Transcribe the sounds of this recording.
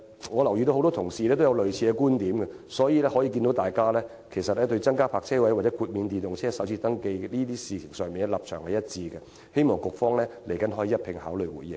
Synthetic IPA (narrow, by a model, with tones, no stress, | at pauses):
ŋɔː˨˧lɐ˨˩wji˧t̪o˧who˧wtɔ˥t̪ʰʊ˨˩ŋsiː˨lɛː˥t̪o˥wjɐ˨˧wlɵ˨ɥt͡sʰiː˧kɛ˧kuː˥nt̪iː˨˥mɡɛ˧sɔː˨˥jiː˨lɛː˥hɔː˨˥jiː˧kiː˧nt̪o˨˥wt̪aː˨jkaː˥lɛː˥ | kʰe˨˩jsɐ˨t̚lɛː˥t̪ɵ˧ɥt͡sɐ˥ŋkaː˥pʰaː˧k̚t͡sʰɛː˥wɐ˨˥jwa˨t͡sɛ˨˦˥kʰuː˧t̚miː˨˧nt̪iː˨nt̪ʊ˨ŋt͡sʰɛː˥sɐ˨˥wt͡sʰiː˧t̪ɐ˥ŋke˧jliː˥t̪iː˥siː˨t͡sʰɪ˨˩ŋsœː˨˩ŋmiː˨nɛ˧˥lɐ̰˨p̚t͡ʃʰœː˨˩ŋhɐ˨jɐ˥t̚t͡siː˧ɡɛ˧ | he˥jmɔː˨˩ŋkʊ˨k̚fɔː˥ŋlɛː˥le˨˩jkɐ˨˥nɦɔː˨˥jiː˨˧jɐ˥t̚pʰɪ˧ŋhaː˨˥wlɵ˨˧jwṵː˨˩jːɪ̰˨ŋ